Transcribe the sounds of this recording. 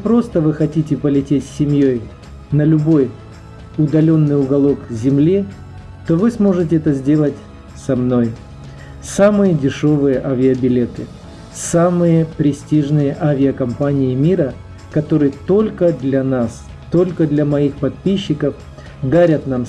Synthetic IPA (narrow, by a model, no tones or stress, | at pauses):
pɾo̞st̪əvɨxɐtʲitʲɪpəlʲɪtʲetʲsʲːɪmʲjo̞j | nəlʲʊbo̞j | ʊd̪ɐlʲo̞nːɨjʊɡɐlˠo̞kzʲɪmlʲi | t̪o̞vɨsmo̞ʐɨtʲɪɛt̪əzʲdʲe̞lˠətʲ | sɐmno̞j | samɨjədʲɪʂo̞vɨjəʔavʲɪəbʲɪlʲe̞t̪ɨ | samɨjəpɾʲɪsʲtʲiʐnɨjəʔavʲɪəkɐmpanʲɪɪmʲiɾə | kɐt̪o̞ɾɨjət̪o̞lʲkəd̪lʲɐnas | t̪o̞lʲkəd̪lʲɐmɐixpɐt̪̚pʲiɕːɪkəf | d̪aɾʲət̪nam